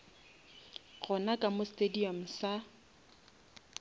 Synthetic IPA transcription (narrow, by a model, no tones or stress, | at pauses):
ɣʊnakʼamostʼediɔm̩sa